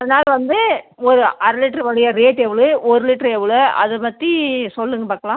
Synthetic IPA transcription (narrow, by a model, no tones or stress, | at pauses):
ɐðɐnaːlɐʋɐnd̪ɯɔɾɯʔɐɾlɪʈːɾɐʋɐɻɪjɐɾeːʈːɛʋɐɭɯɔɾɯlɪʈːɾɛʋɪɭɯɐ̰ðɯpɐt̪ːisɔlːɯŋɡɐpaːɾkɐlãː